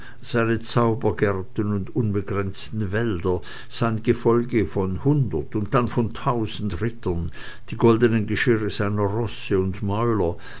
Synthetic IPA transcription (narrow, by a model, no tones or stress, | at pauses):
z̥aɪnət͡saʊbɐɡɛɐtən̩ʊntʊnbəɡʁɛnt͡stn̩vɛldɐ | z̥aɪnɡ̥əfɔlɡəfɔnhʊndɐtʊnt̚d̥anfɔntʰaʊzn̩tʁɪtʰɐn | d̥iːɡɔldənənɡəʃɪʁəzaɪnɐʁɔsəʊntmɔʏlɐ